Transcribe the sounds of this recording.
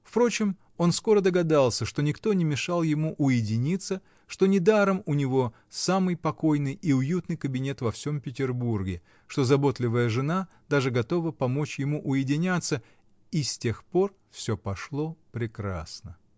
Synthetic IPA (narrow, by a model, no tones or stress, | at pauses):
fpɾo̞t͡ɕɪm | o̞nsko̞ɾəd̪əɡɐd̪alˠsʲəʂt̪o̞nʲɪkt̪o̞nʲɪmʲɪʂalˠjɪmuʔʊjɪdʲɪnʲit̪sːə | ʂt̪o̞nʲɪd̪aɾəmʊnʲɪvo̞ | samɨjpɐko̞jnɨjiʊjut̪nɨjkəbʲɪnʲe̞t̪vɐfsʲo̞mpʲɪtʲɪrburɡʲɪ | ʂt̪o̞zɐbo̞t̪lʲɪvəjəʐɨna | d̪aʐɨɡɐt̪o̞vəpɐmo̞t͡ɕjɪmuʔʊjɪdʲɪnʲat̪sːə | isʲtʲe̞xpo̞r | fsʲɵpɐʂlˠo̞pɾʲɪkɾa̰snə